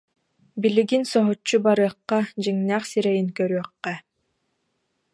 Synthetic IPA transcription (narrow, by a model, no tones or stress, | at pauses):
biliɡinsɔɦɔt͡ʃːubaɾɯːqːɑd͡ʑiŋnæːχsiɾɛjinkœɾyœqːɛ